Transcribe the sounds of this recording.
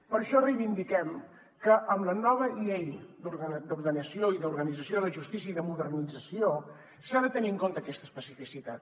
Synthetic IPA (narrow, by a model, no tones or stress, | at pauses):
pəɾʃɔrejβind̪ikɛm | kəʔəmlənɔβ̞əiejd̪uɾɣəd̪uɾɣənəsioiðəuɾɣənid͡zəsijoðləʒust̪isiəiðəmuðərnid͡zəsio | saðət̪əniəŋkont̪əːkɛst̪əspəsifisit̪at̪